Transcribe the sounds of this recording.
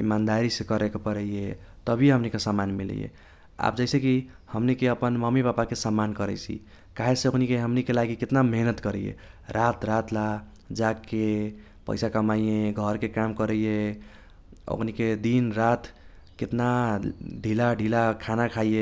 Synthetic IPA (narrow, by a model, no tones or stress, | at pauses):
imand̪aɾisekəɾekepəɾəjjet̪əbʱiɦəmnikesamanmil̰jḛ | a̰p̚d͡ʒəɪseki | həmnikeəpənməmibapakesamankəɾɛ̰t͡ʃʰḭ | kaɦeseoknikeɦəmnikelaɡiket̪nameɦnət̪kəɾɛjḛɾat̪ʰɾat̪ʰla | d͡ʒakːe | pə̰ɪsakəmaijẽɡʱʌɾkekamkəɾəje | o̰kʰniked̪inɾat̪ʰ | ket̪naɖʱilaɖʱilakʰanakʰaje